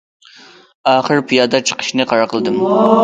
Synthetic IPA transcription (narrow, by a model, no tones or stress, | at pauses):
ɑχəɾpʰijɑd̪ɑt͡ʃʰə̥qə̥ʃnɨqʰɑɾɑqəlˠd̪ɨm